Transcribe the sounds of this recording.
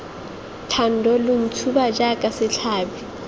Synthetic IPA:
tʰan̩dɔlʊm̩t͡sʰubad͡ʒakʼasɪt͡ɬʰaːbi

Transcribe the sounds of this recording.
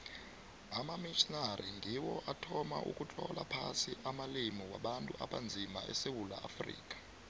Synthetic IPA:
amamiʃɔnaɾiŋdʱiwɔʔatʰɔmaʔṵkʼut͡ɬʰɔlapʰasiʔamalimiwaɓantʼuʔaɓand͡zʱima̰ɛ̰sewula̰ʔafrḭːk̬ʼḁ

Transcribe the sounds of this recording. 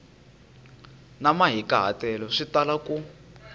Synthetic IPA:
namaɦikaɦa̰tɛlɔʂitalaku

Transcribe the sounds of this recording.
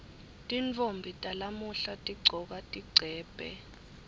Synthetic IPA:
tʼint͡fʼombʱitʼalamuɬatʼiɡ͡ǀʱɔk̬atʼiɡ͡ǀʱɛːb̥ʱʼɛ̰

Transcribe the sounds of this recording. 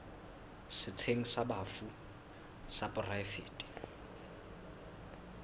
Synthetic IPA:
sɪt͡sʰeŋ̩sabaːfu | sapʼʊraɪfeːtʼi̥

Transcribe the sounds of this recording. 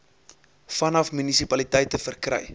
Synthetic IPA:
fɐnɐfmynisipɐlitəjtəfərkrɛ̰j

